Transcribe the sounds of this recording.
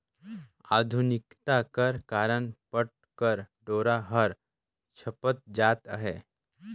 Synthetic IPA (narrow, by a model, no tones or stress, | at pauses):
a̰ːd̪ʱunɪkt̪akəɾkaːɾənpəʈ̚ | kəɾɖoːɾaɦəɾ | t͡ʃʰəpət̪̚d͡ʒaːt̪ə̰ɦḛ